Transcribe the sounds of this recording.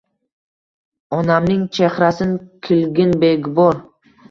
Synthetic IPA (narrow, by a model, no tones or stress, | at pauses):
ɒnamnɪŋt͡ʃʰeχɾasɪnkʲʰɪlɡʲɪnbeɡʲbɒɾ